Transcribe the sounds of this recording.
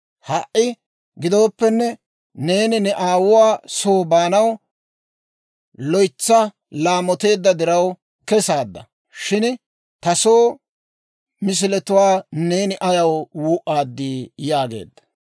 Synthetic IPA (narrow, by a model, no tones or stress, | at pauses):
hɐʔʔɪ | ɡɪd̪o̞ːpːɛnːɛ | ne̞ːnɪnɛʔaːwʊwaːsoːbaːnɐw | lɔjt͡sːɐ | laːmɔt̪e̞ːd̪ːɐd̪ɪɾɐw | kɛsaːd̪ːɐ̰ | ʃɪn | t̪ɐso̞ː | mɪs̬ɪlɛt̪ʊwaːne̞ːnɪʔɐjɐwwuːʔaːd̪ːiːjaːɡe̞̰ːd̪ːɐ̥